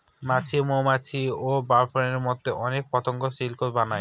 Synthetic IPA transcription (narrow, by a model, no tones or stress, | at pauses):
mat͡ɕʰimomat͡ɕʰiobaɾfoneɾmɔd̪ʱːeʔɔnek̚pɔt̪oŋkoʃilkoɾbanaj